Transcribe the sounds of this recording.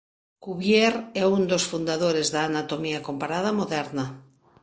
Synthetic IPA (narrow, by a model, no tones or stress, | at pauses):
kuβjeɾɛund̪osfund̪aðoɾezðaːnat̪omiakompaɾað̞amoðɛɾna